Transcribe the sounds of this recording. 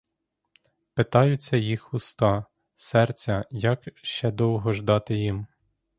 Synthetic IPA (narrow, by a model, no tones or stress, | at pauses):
pɪt̪ɑjʊt͡sʲːɐjixʊst̪ɑ | sɛrt͡sʲɐjɐkʃt͡ʃɛd̪ɔwɦɔʒd̪ɑt̪ɪjim